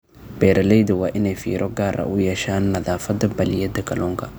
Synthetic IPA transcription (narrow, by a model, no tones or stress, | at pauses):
b̥ɛɾʔɐlɛjd̪ɪwaʔɪnɛfḭːɾʔɔɡaːɾʔa̰ʔʊjɛʃaːnːɐðaːfɐd̪ɐbɐlɪjɛd̪ɐkɐlɔŋkḁ